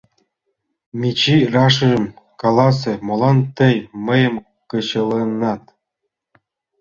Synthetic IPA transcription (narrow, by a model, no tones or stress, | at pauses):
mʲit͡ɕirɑʂɤ̆ʒə̆mkɑlˠɑs̬ĕmolˠɑnt̪ɤ̆jmɤ̆jɤ̆m | kɤ̆ɕɤ̆lenːɑt̪̚